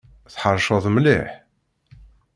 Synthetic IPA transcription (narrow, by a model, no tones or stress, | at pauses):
θħəɾˤʃəðˤmlḭħ